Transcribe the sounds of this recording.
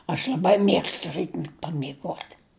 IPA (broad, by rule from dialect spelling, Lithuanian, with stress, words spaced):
ɐʃ lʲɐˈbɐɪ ˈmʲiɛkstʊ ˈrʲiːtʲmʲɛtʲ pɐmʲɪˈɡuɔtʲ